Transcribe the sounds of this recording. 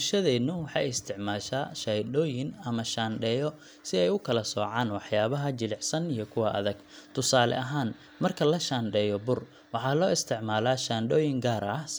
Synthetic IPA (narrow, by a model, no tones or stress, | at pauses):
bʊʃɐðɛːnʊwɑħɑjɪst̪ʰɪʕmaːʃaːʃɐjdɔːjɪnɐmɐʃaːnɖɛːjɔ | sɪɛjʊkʰɐlɐsɔːʕɑːnwɑħjaːβɐɦɐt͡ʃɪlɪʕsɐnijɔkʰʊwɐʔɐ̰ðɐɡ | t̪ʰʊsaːlɛ̰ʔɐɦaːn | mɐrkʰɐlɐʃaːnɖɛːjɔbʊr | wɑħɑːlɔːɪst̪ʰɪʕmaːlaːʃaːnɖɔːjɪŋɡaːɾɐ